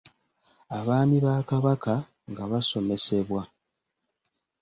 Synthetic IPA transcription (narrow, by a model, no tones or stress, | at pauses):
aβaːmiβaːkaβaka | ŋɡaβaso̞me̞se̞βwa